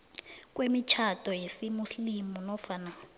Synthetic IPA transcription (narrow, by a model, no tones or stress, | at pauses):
k̬ʼwemit͡ʃʰatʼɔjesimuslimunɔfana